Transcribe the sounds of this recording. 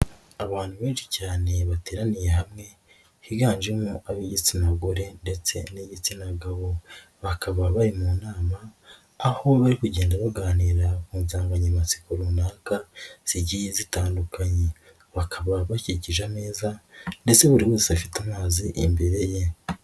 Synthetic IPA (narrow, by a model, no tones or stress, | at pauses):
aβaːn̥huβeːnʃi̥caːne̞βate̞ːɾanije̞hamŋe̞ | hiɡaːnd͡ʒemuʔaβiɟit͡sinaɡoɾe̞nde̞t͡se̞̰niɟit͡sinaɡaβo̞ | βakʰaβaβaɾimuːnaːmaː | ho̞βaɾikuɟeːndaβaɡaːniɾakuːnzaːŋɡaɲamat͡si̥kuɾunaːkaz̥iɟijizitaːndukʰaɲe̞ | βakʰaβaβaciɟiʒane̞ːzande̞t͡se̞βuɾiwoːseafitamaːziʔimbeɾe̞je̞